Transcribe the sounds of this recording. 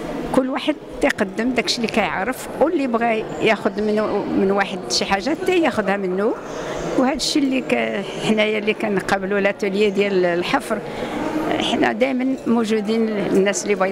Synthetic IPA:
kʊlːwaħəd̪̚t̪æqɑd̪ːəmd̪ækʃilikæjəʕɾəf | wlːibɣæjæxʊd̪məmənwaħəd̪ʃiħaʒːæt̪ːæjæxʊd̪hæmənːu | whæd̪əʃːilːikæ | ħnæjælikænqɑblulʔæt̪ələjad̪jællħɑfɾˤ | əħnæ̰d̪æjmənmuʒud̪innːæslːibɣæ

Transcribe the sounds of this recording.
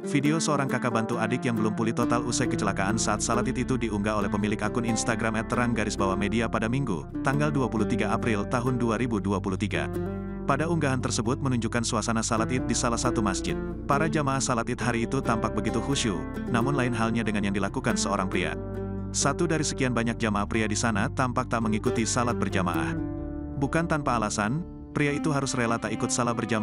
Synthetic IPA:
fideosəoɾaŋkakabant̪uadɪkjaŋbəlʊmpulɪht̪ot̪alusajkət͡ʃəlakaʔansaːt̪̚salat̪ɪt̪it̪udiuŋɡaolɛhpəmilɪkakʊninst̪aɡɾamɛt̪ːəɾaŋɡaɾɪsbawamediapadamiŋɡṵ | t̪aŋɡalduapuluht̪iɡaapɾɪlt̪aɦʊnduaɾibuduapulut̪iɡa̰ | padauŋɡaɦant̪ərsəbʊt̪̚mənuɲd͡ʒukansuasanasalat̪ɪt̪̚disalahsat̪umasd͡ʒɪt̪̚ | paɾad͡ʒamaːhsalat̪ɪt̪̚ɦaɾiːt̪ut̪ampak̚bəɡit̪uhuʃṵ | namʊnlaɪnɦalɲadəŋanjaŋndilakukansəoɾaŋpɾia̰ | sat̪udaɾisə̥kianbaɲak̚d͡ʒamaahpɾiadisanat̪ampak̚t̪aʔməŋikut̪isalat̪̚bərd͡ʒama̰ʔa̰h | bukant̪anpaːlasan | pɾiait̪uɦaɾʊsrelat̪aikʊt̪̚salahbərd͡ʒam

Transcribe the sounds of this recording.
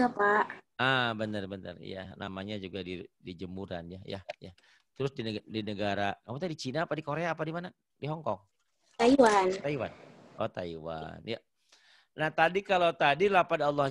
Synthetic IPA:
apaʔʔabənərbənə̰r̰ja̰nʔa̰maɲad͡ʒuɡadidid͡ʒəmuɾa̰nja̰ja̰ja | t̪əɾʊsdindinəɡaɾakamut̪aidit͡ʃinaːpadikoɾeaːpadimana | diɦɔŋkɔŋ | t̪aiwant̪aiwa̰n | ʔɔt̪aiwa̰nja | naht̪adikalat̪adilapadaɑlːɑ

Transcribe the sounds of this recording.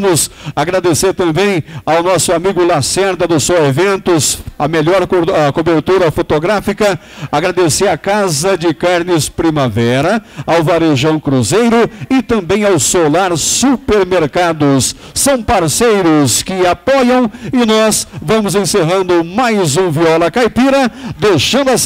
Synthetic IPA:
mʊsaɡɾad̪eseɾt̪ɐ̃mbẽj̃awnɔsʊamiɡʊlasɛɾd̪ɐd̪ʊsɔwevẽnt̪ʊsɐmeʎɔɾkobeɾt̪uɾɐfot̪oɡɾafikɐ | aɡɾad̪eseɾɐkazɐd͡ʒɪkaɾnɪspɾimavɛɾɐawvaɾeʒɐ̃w̃kɾuzejɾʊɪt̪ɐ̃mbẽj̃awsolaɾsupeɾmeɾkad̪ʊsː | ɐ̃w̃paɾsejɾʊskɪapɔjɐ̃w̃ɪnɔsvɐ̃mʊzẽseɦɐ̃nd̪ʊmajzũviɔlɐkajpiɾɐd̪ejʃɐ̃nd̪ʊɐ

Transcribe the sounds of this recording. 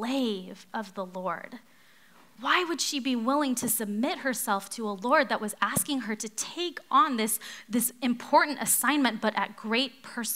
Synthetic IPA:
eɪvʌvðəlɔɹd̥ | waɪwɨd̥ʃibiwɪlˠɪ̃ŋtʰɨsɨb̚mɪt̚hə˞sɛlˠftʰəəlɔɹd̪̚ðəʔ̚wʌzæskɪ̃ŋə˞ɾɨtʰeɪkn̩ðɪsðɪsɨ̃mpʰɔɹʔn̩tɨ̰sãɪ̃nmɨ̃nb̥ʌɾʔɨ̰t̚ɡ̥ɹeɪt̚pʰɜ˞s

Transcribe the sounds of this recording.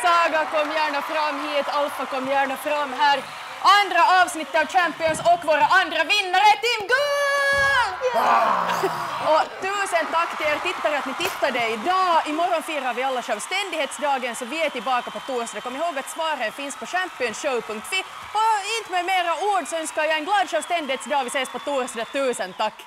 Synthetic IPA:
sɑːɡakɔmːjæːɳafɾamːɦiːt̪alt̪vakɔmːjæːɳafɾamːɦæːɾ | ʔand̪ɾaɑːvsnɪt̪ːəɑːʋt͡ʃæmpɪɔnsɔkːvoːɾaʔand̪ɾavɪnːaɾət̪ɪmɡʉː | ɔt̪ʉːsənt̪akːt̪ɪleːɾt̪ɪt̪ːaɾɛat̪nɪt̪ɪt̪ːaɖɛɪd̪ɑːɪmɔɾɔnfiːɾhaɾvɪalːaʂœlvst̪ɛnd̪ɪheːt̪sd̪ɑːɡənsɔvɪɛt̪ɪlbɑːkapɔt̪uːɾsid̪akʰɔmːɾɪɦoːɡat̪svɑːɾənfɪnspɔɕæmpɪɔnsɕœʊpɵŋk̚t̪ʋɪ | haɪnt̪mɛjmeːɾauːɖsɔœnskajɑːɛnɡlɑːd̪ɕœlst̪ɛnd̪ɪheːt̪sd̪ɑːʋɪseːspɔt̪uːɾsiːd̪at̪ʉːsənt̪akː

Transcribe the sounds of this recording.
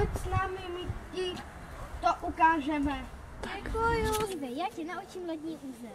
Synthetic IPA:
ocsnaːmɪmɪci | t̪oʔukaːʒɛmɛ | ɛkujud̪ɛjaːcɛnaut͡ʃimlɛd̪ɲiːʔuːzɛ

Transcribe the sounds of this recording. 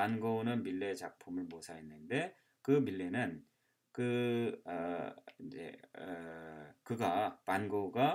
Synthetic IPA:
panɡonɯnmiɭːe̞t͡ɕak̚pʰumɯɭmosʰaɦenːɯnde̞ | kɯmiɭːe̞nɯn | kɯʌind͡ʑe̞̰ | kɯɡapanɡoɡa

